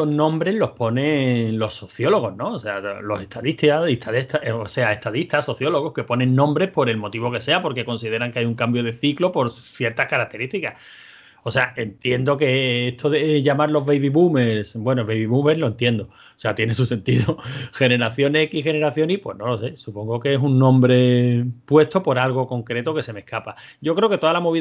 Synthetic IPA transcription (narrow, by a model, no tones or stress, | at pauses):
oɦnõ̞mbɾe̞ɦlo̞hpo̞nẽ̞lo̞so̞θjo̞lo̞ɣ̞o̞ɦnõsealo̞se̞t̪ʰaðit̪iaiht̪ʰaðet̪aose̞ae̞ht̪aðiht̪aso̞θjo̞lo̞ɣo̞hke̞po̞nẽŋnõ̞mbɾe̞hpo̞ɾe̞lmo̞t̪iβo̞ke̞se̞apo̞ɾke̞ko̞nsiðeɾaŋkeajuŋkambjo̞ð̞e̞θiklo̞po̞ɾ | θje̞ɾt̪ahkaɾak̚t̪e̞ɾit̪ika | ose̞ae̞nt̪je̞nd̪o̞ke̞eht̪ʰoðeʝamaɾlo̞ɦβejβiβumeɾsbwe̞noeβejβiβume̞ɾlo̞e̞nt̪je̞nd̪o | oseat̪jenesuse̞nt̪iðoxe̞ne̞ɾaθjo̞nekixe̞ne̞ɾaθjo̞nipwe̞̰no̞lo̞se̞supo̞ŋɡokeesuŋːõ̞mbɾe̞pwe̞st̪o̞po̞ɾalɣ̞o̞ko̞ŋkɾe̞t̪oke̞se̞me̞hkapa | ɟ͡ʝo̞kɾe̞oket̪o̞ðalamo̞βi